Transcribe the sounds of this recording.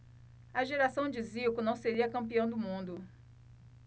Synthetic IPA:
ɐʒeɾasɐ̃w̃d͡ʒɪziwkʊnɐ̃w̃seɾiɐkɐ̃mpiɐ̃w̃d̪ʊmũnd̪ʊ

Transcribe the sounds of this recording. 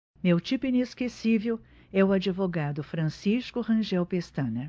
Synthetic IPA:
mewt͡ʃipʊĩneskesivew | ɛʊad͡ʒivoɡad̪ʊfɾɐ̃siskʊʁɐ̃ʒɛwpest̪ɐ̃nɐ

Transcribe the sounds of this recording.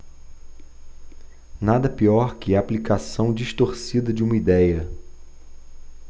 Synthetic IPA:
nad̪ɐpiɔɾkɪaːplikasɐ̃w̃d͡ʒiʃt̪oɾsid̪ɐd͡ʒɪũmɐid̪ɛjɐ

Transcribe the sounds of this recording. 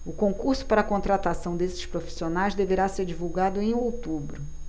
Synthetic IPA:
ʊkõŋkuɾsʊ̥paɾɐkõnt̪ɾat̪asɐ̃w̃d̪esɪ̥ʃpɾofi̥sionajzd̪eveɾaseɾd͡ʒivuwɡad̪ʊẽj̃owt̪ubɾʊ

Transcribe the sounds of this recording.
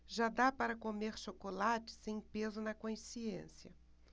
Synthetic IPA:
ʒad̪apaɾɐkomeɾʃokolat͡ʃɪ̥sẽj̃pezʊnɐkõĩsiẽsiɐ

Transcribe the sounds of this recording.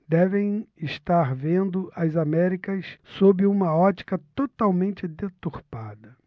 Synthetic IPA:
d̪ɛvẽj̃ɪʃt̪aɾvẽnd̪ʊʔɐzamɛɾikɐssobɪũmɐɔt͡ʃi̥kɐt̪ot̪awmẽnt͡ʃɪd̪et̪uɾpad̪ɐ

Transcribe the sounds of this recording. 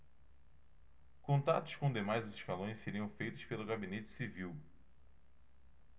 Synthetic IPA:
kõnt̪a̰t̪ʊ̥ʃkõw̃d̪emajzzɪʃkalõj̃seɾiɐ̃w̃fejt̪ʊʃpelʊɡabinet͡ʃɪ̥siviw

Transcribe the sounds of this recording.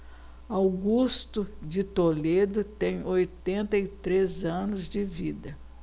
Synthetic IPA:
awɡust̪ʊd͡ʒɪt̪oled̪ʊt̪ẽj̃ojt̪ẽnt̪ɐɪt̪ɾezɐ̃nʊzd͡ʒɪvid̪ɐ

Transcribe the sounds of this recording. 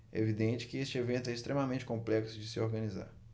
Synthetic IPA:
ɛevid̪ẽnt͡ʃɪ̥kɪest͡ʃɪevẽnt̪ʊɛist̪ɾẽmɐmẽt͡ʃɪ̥kõmplɛksʊd͡ʒɪsɪoɾɡɐ̃niza̰ɾ

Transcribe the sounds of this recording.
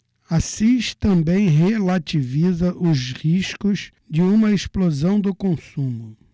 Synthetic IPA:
asiʃt̪ɐ̃mbẽj̃ɦelat͡ʃivizɐʔʊzhiʃkʊz | d͡ʒɪũmɐesplozɐ̃w̃d̪ʊkõsũmʊ

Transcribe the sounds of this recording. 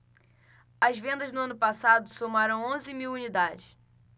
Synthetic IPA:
ɐzvẽnd̪ɐʒnʊɐ̃nʊpasad̪ʊsomaɾɐ̃w̃õzɪmiwunid̪ad͡ʒɪs

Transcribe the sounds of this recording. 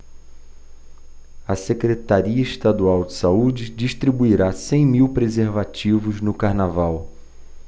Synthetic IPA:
ɐsekɾet̪aɾiɐɪʃt̪ad̪uawd͡ʒɪsaud͡ʒɪd͡ʒiʃt̪ɾibuiɾasẽj̃miwpɾezeɾvat͡ʃivʊznʊkaɾnavaw

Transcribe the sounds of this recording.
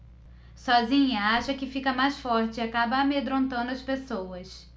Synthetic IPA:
sɔzĩɲɐaʃɐkɪfikɐmajsfɔɾt͡ʃɪakabɐːmed̪ɾõnt̪ɐ̃w̪̃d̪ʊɐspesowɐs

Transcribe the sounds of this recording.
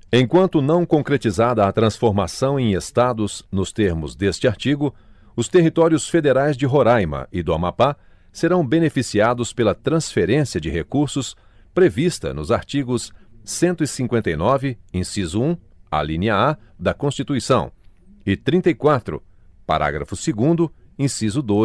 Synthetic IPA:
ẽj̃kwɐ̃nt̪ʊnɐ̃w̃kõkɾet͡ʃizad̪ɐːt̪ɾɐ̃sfoɾmasɐ̃w̃ẽj̃est̪ad̪ʊznʊst̪eɾmʊzd̪est͡ʃɪaɾt͡ʃiɡʊ | ʊst̪eɦit̪ɔɾjʊsfed̪eɾajzd͡ʒɪɦoɾajmɐ̰ʔɪd̪ʊamapa | seɾɐ̃w̃benefisiad̪ʊspelɐt̪ɾɐ̃sfeɾẽsiɐd͡ʒɪɦekuɾsʊs | pɾevist̪ɐ̰nʊzaɾt͡ʃiɡʊsːẽnt̪ʊɪsĩŋkwẽnt̪ɐjnɔvɪẽsizʊũa̰lĩniɐa | d̪ɐkõst͡ʃit̪uisɐ̃w̃ | ɪt̪ɾĩt̪ɐikwat̪ɾʊ̰ | pa̰ɾʔa̰ɡɾɐ̰fʊsɪɡũnd̪ʊẽsizʊd̪o

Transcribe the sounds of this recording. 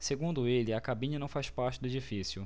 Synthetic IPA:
seɡũnd̪ʊelɪakabĩɲɐnɐ̃w̃fajspaɾt͡ʃɪd̪ʊed͡ʒifisjʊ

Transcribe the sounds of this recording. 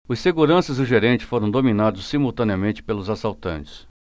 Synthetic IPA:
ʊsseɡuɾɐ̃sɐzd̪ʊʒeɾẽnt͡ʃɪ̥foɾɐ̃w̃d̪ominad̪ʊsːimuwt̪ɐ̃niɐmẽnt͡ʃɪ̥pelʊzasawt̪ɐ̰̃nt͡ʃɪ̥s

